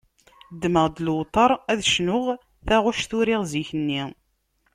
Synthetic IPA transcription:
d̪ːməʁd̪lwt̪ˤɑɾˤæðʃnʊʁ | θæʁʊʃθʊɾɪʁziçənːi

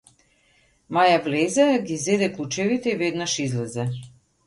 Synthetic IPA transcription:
majavlɛzɛɡʲizɛd̪ɛklˠut͡ʃɛvit̪ɛivɛd̪naʃizlɛzɛ

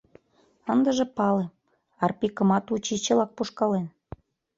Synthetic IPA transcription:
ənd̪əʒĕpɑle | ɑrpikə̆mɑt̪ut͡ɕit͡ɕə̆lɑk̚puʃkɑlen

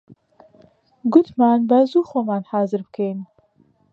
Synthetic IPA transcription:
ɡʊt̪maːnbazuːxomaːnhaːzɨɾbkʰejn

